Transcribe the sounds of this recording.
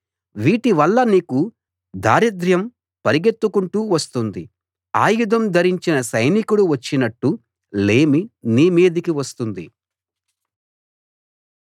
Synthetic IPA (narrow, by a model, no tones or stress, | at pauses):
ʋiːʈiʋɐɭːɐniːku | d̪ʱaːɾid̪ɾjɐm | pɐɾiɡet̪ːukuɳʈuːʋɐst̪und̪i | aːjud̪ʱɐmd̪ʱɐɾiɲt͡ʃinɐsɐjnikuɽuʋɐt͡ʃːinɐʈːu | le̞ːminiːmeːd̪ikiʋɐst̪und̪i